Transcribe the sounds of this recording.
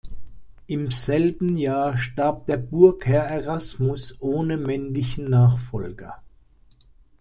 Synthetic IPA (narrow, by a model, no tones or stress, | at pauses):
ʔɪmz̥ɛlbn̩jaːɐʃtaɐp̚d̥eːɐbʊɐkhɛɐeʁasmʊsʔoːnəmɛnlɪçn̩naːχfɔlɡɐ̰